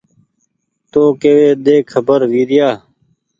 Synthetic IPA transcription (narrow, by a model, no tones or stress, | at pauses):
t̪oːkeːʋeːd̪eːkʰːəbəɾʋiːɾɪjaː